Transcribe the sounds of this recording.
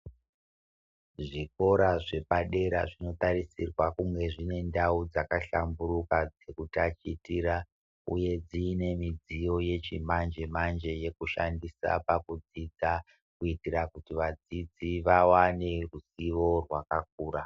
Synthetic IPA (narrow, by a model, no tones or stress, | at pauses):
ʐiko̞ɾaʐe̞paɗe̞ɾa̰ʐino̞taɾisirwakuŋɡe̞ʐine̞ndaud͡zakaɬambuɾukad͡ze̞kutat͡ʃitiɾa | uje̞d͡ziːne̞mid͡zijo̞je̞t͡ʃimand͡ʒe̞mand͡ʒe̞je̞kuʃandisa̰pakud͡zid͡za | kuitiɾakutiʋad͡zid͡ziʋawane̞rusiʋo̞rwakak̚uːɾa